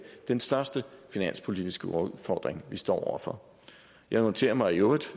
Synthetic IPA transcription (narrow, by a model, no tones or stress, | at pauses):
d̥ensd̥ɶɐsd̥əfinæn̰spʰo̝lid̥isɡ̥əɔðˠfɒːd̥ʁeŋʋisd̥ɒ̰ːɒ̰ʊ̰ɐfɒ̽ | jɑ̈ɪnɒnt͡sʰe̝̰ːɐmɑ̈ɪioːd̥